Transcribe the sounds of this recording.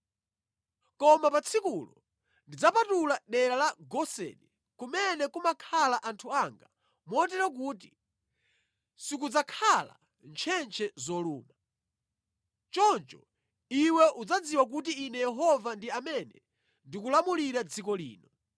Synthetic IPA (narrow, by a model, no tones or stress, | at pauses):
kɔmapat͡sʰikulɔ | ndid͡zapatulaɗɛɾalaɡɔsɛ̰ɗɛ | kumɛnɛkumakʰalaʔantʰuaŋɡa | mɔt̬ɛɾɔk̬uːt̬i | sikud͡zakʰala̰ | nt͡ʃʰɛnt͡ʃʰɛzɔluːma | t͡ʃɔnt͡ʃɔ | iwɛʔud͡zad͡ziwak̬ut̬iːnɛjɛɦɔvandiamɛnɛ̰ | ndikulamuliɾad͡zikɔlḭːnɔ